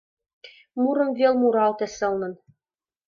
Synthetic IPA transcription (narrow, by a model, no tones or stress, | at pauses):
muɾɤ̆mvʲelˠmuɾɑlˠt̪ĕsɤ̆lˠnɤ̆n